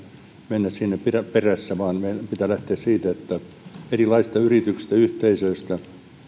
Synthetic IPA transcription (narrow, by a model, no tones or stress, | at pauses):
menːæssinːepiræperæsːæʋɑːnmeilpit̪ælæht̪eːssiːt̪æet̪ːæ | erilɑisst̪ɑyrit̪yksi̥st̪æyht̪eisøist̪æ